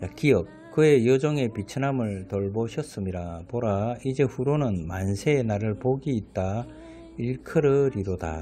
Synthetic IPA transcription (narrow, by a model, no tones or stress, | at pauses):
jakiʌk̚kɯe̞jʌd͡ʑʌŋe̞pit͡ɕʰɯnɦamɯɭtʌɭboɕʰʌs͈ɯmɲiɾapoɾaid͡ʑe̞ɸuɾonɯnmansʰenaɾɯɭpoɡiːt̚t͈a | iɭkʰɯɾɯɾiɾoda̰